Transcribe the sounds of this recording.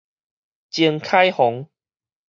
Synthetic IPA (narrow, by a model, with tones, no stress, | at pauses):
t͡ɕji˧ŋkʰa˦jhɔ˨˦ŋ